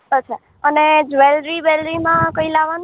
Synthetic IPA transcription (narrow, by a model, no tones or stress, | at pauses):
ɦəʃʰa | əned͡ʒʋɛlɾibɛlɾimãkoilaʋan